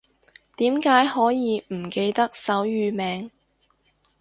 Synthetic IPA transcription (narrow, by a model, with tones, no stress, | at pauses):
t̪iː˨˥mkaː˨˥jhɔː˨˥jiː˨˧m̩˨˩ke˧jt̪ɐ˥k̚sɐ˨˥wjyː˨˧mɛː˨ŋ